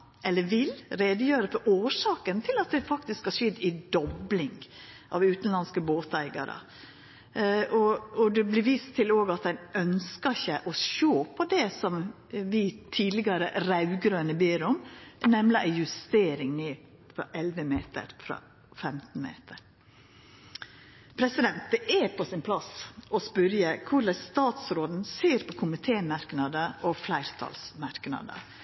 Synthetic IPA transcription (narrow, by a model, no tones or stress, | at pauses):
ʔɛlːəʋɪlɾeːd̪əjøːɾəfɔɾʔoːʂɑːkənt̪ʰɪlɑt̪̚d̪ɛfɑk̚t̪ɪskhɑʂɛd̪ːɪd̪ɔblɪŋʔɑ̰ʋʉːt̪n̩lɑnskəboːt̪æɪɡɑ̰ɾə̰ | ɔɔd̪ɛblɪɾʋiːst̪ʰɪloːɡɑt̪̚d̪ɛnʔœnskəçəʔɔʃoːpʰɔd̪ɛsɔm | ʋɪt̪ʰiːd̪lɪɡɑɾəɾɑʉɡɾøːnəbeːɾɔmnɛmlɪʔæɪjʉst̪eːɾɪŋneː | fɾɑ̰ʔɛlʋəmeːt̪ə̰ɾfɾɑ̰ː | fɛmt̪n̩mḛːt̪ʰəɾ | pʰɾɛsɪd̪ɛnt̪̚əʔɛpʰɔsɪnpʰlɑsɔspœɾjəkʰʊɾɖɛst̪ɑːt̪sɾoːd̪n̩seːɾpʰɔkʰʊmɪt̪ʰeːmɑɾknɑd̪əʔɔflæɪɾt̪ʰɑ̰ːlsmɑɾknɑ̰d̪ə̰